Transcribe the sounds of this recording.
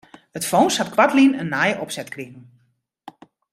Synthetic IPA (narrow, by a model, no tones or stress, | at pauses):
ətfownshatkwatlinənːajəʔɔpsɛtkrɪɣn̩